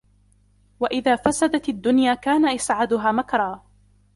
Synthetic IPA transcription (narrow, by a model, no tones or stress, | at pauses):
waʔɪðaːfasad̪at̪ad̪ːʊnjaːkaːnaʔasʕad̪ʊɦaːmakɾˤɑː